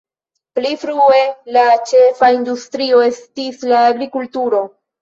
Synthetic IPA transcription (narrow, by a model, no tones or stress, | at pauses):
plifɾue̞lat͡ʃe̞faindustɾio̞e̞stislaːɡɾikultuɾo̞